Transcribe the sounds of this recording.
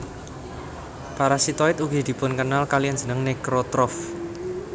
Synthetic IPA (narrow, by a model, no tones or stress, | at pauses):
paɾasit̪ɔɪt̪uɡi̤d̪̥i̤pʊnkənalkalijan̥d͡ʒ̥ə̤nəŋnekɾot̪ɾɔf